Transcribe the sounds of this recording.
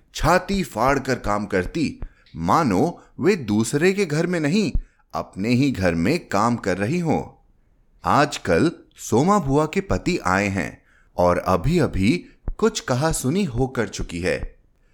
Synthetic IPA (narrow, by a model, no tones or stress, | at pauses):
t͡ʃʰaːt̪ifaːɽkɐɾkaːmkɐɾt̪i | maːnõʋeːd̪uːsɾekeɡʱɐɾmẽnɐɦĩ | ɐ̰pneɦiɡʱɐɾmẽkaːmkɐɾːɐɦiɦõ̰ː | aːd͡ʒkɐlsoːmabʱuakepɐt̪iʔa̰ːeɦɛ̰̃ː | ɔːɾɐ̰bʱiɐbʱikʊt͡ʃʰkɐɦasʊniɦokɐɾt͡ʃʊkiɦɛ̰ː